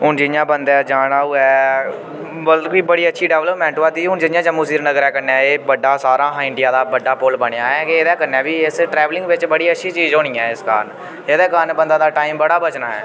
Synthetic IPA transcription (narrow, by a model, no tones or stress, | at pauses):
ɦʊnd͡ʒɪjãːbənd̪ɛːd͡ʒaːɽaːuːɛː | bəlkiːbəɽiːətːʃʰiːɖɛːʋləpmɛ̃ːɳʈːaːd̪iːɦʊnd͡ʒɪjãːd͡ʒəmːuːsiːɾnəɡəɾɛːkəɾnɛːeːbəɖːaːsaːɾãːɦɪ̃ɳɖɪjaːd̪aːbəɖaːpʊlbəɽ̃ejaːɛːkeeːd̪ɛːkənɛ̃ːbiːɪsʈɾɛːʋlɪ̃ŋɡʋɪt͡ʃbəɽiːətːʃʰiːt͡ʃiːzɦoːɽ̃iːãːɪska̰ːɾn | ed̪ɛːkaːɾnbənd̪aːd̪aːʈaːiːmbəɽaːbət͡ʃnaːɛ̰ː